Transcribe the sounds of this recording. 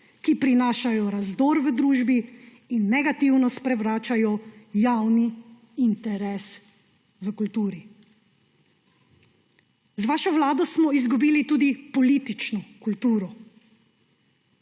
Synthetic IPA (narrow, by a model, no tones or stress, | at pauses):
kipɾinaːʃajɔɾazd̪oːɾʋəd̪ɾuːʒbi | inːɛɡat̪iwnɔst̪pɾɛʋɾaːt͡ʃajɔjawniː | nt̪ɛɾɛs | ʋəkult̪uːɾi | zʋaːʃɔʋlaːd̪ɔsmɔizɡubiːlit̪uːd̪ipɔliːt̪it͡ʃnɔkult̪uːɾɔ